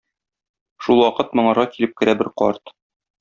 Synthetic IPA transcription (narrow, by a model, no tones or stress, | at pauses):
ʃulˠwɒqɤt̪̚mɤ̆ɴɑɾʁɑkilɘp̚kɘ̆ɾæbɘɾqɒ̰ɾt̪